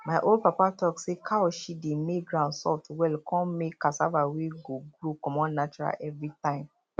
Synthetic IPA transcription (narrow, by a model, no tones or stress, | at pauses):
maɪʔold̚papatɔksekʰaɔʃidemeɡɾãʊ̃nsɔ̰twɛlkɔ̃mekasa̰vaweɡoɡɾokɔ̃mɔ̃nnat͡ʃuɾa̰lɛvɹitãɪ̃m